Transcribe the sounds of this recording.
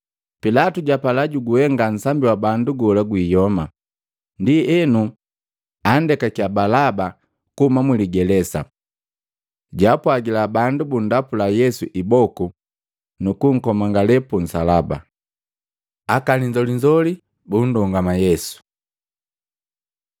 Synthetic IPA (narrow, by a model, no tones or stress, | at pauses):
pilatuɟapalaɟuɡuhɛŋɡan̩sambiwabanduɡɔlaɡwiːjɔma | ndiɛnu | andɛkakabalaba | kuhumamwiliɡɛlɛsa̰ | ɟapwaɡilabandubun̩dapulajɛsuʔibɔku | nukuŋ̩kɔmaŋɡalɛpun̩salaba̰ | akaliɲd͡ʒɔliɲd͡ʒɔli | bun̩dɔŋɡamajɛsu̥